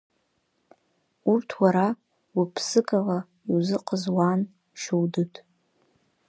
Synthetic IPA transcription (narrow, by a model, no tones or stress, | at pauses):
urtʰwaɾa | wupʰsɨkʰʼala | iwzɨqʼəzwan | ʃuwdɨtʼ